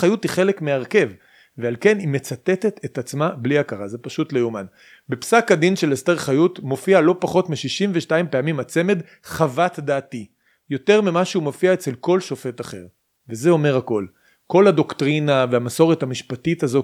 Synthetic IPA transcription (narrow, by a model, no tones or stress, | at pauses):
χajutiχe̞lekmeaʁke̞v | vealke̞nime̞t͡sat̪e̞t̪e̞t̪ʰet̪at͡smabliakaʁazepaʃutlejuman | bepsakad̪inʃe̞lesteʁχajutmo̞fialo̞paχo̞tmiʃiʃimveʃtaimpeamimat͡se̞me̞d | χavat̪d̪aːti | jo̞te̞ʁmimaʃuumofiaet͡se̞lko̞lʃo̞fe̞taχe̞̰ʁ | veze̞o̞me̞ʁako̞l | ko̞lado̞kt̪ʁinaveamaso̞ʁethamiʃpatitazo̞